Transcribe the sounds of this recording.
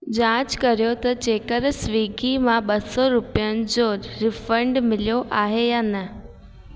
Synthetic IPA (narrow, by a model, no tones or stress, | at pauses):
d͡ʑãːd͡ʑkɐɾijot̪ɐt͡ɕeːkəɾsʋiːɡʱimãɓɐsɔɾʊpijənɪ̆d͡ʑoːɾɪfəɳɖmɪlijoʔaːɦejaːnɐ